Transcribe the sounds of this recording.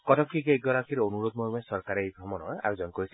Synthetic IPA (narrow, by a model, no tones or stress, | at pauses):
kɔtʰɔpkʰiɡeɡɔɾakʰiɾonuɾod̪̚mɔmɛsɔɾkaɾejbʱɾɔmɔnɔa̰ɾud͡ʒɔnkɔɾis